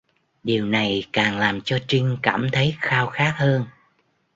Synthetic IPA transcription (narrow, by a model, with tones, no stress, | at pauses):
ɗi˨˩əwna˨˩jkaː˨˩ŋlaː˨˩mt͡ɕɔ˧t͡ɕï˧ŋ̟kaː˧˩mt̪ʰə˨˦jxaː˧wxaː˦˥k̚həː˧n